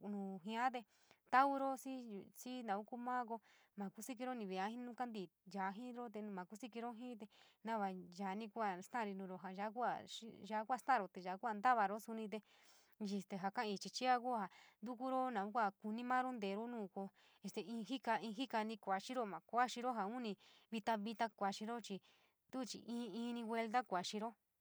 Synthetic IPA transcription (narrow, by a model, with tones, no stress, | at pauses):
nũː˨ɦĩ˧˦ã˦t̪̬e˧ | t̪a˦u˦ɾo˦si˦˧si˦nã˨u˦ku˦mã˦k̬o˧ | mã˨ku˦si˦k̬i˧ɾo˦nĩ˧βi˧˨a˨˦hĩ˦nũ˦ka˦nd̪i˨ja˨˦ɦĩ˦ɾo˦t̪̬e˧ñ˧mã˨ku˦si˦ki˧ɾo˦ɦĩ˦t̪̬e˧nã˦βa˧ʒa˨˦nĩ˧ku˦a˧˨st̪ã˦˧ɾi˧nũ˧ɾo˧ɦa˨ʒa˧˦k̬u˦a˧˨ʃi˦ʒa˧˦kʷa˧st̪ã˦˧ɾo˧t̪e˨ʒa˨˦kʷa˦˧nd̪a˦βa˧ɾo˦su˧nĩ˧t̪̬e˧ | ʒi˧st̪e˧ɦa˧kã˦˧ĩ˧t͡ʃi˧t͡ʃi˦a˦ku˦a˧ɦa˨nd̪u˦ku˦ɾo˦nã˨ũ˦kʷa˦˨ku˧nĩ˦mãː˦ɾo˦nd̪eː˨˧ɾo˦nũː˦˨ko˧ | e˧st̪e˧ĩː˧ɦi˦ka˧ĩ˧ɦi˦ka˧nĩ˧kʷa˨t͡ʃi˦ɾo˦mã˨kʷa˦ʃi˧ɾo˦ɦa˨u˦nĩ˧βi˧t̪a˧βi˧t̪a˧kʷa˧t͡ʃĩ˧ɾo˦t͡ʃi˧ | t̪u˦t͡ʃḭ˧ʔĩː˧˦˧ĩː˦˧nĩ˧ɡwe˧lt̪a˦kʷa˨ʃi˧ɾo˦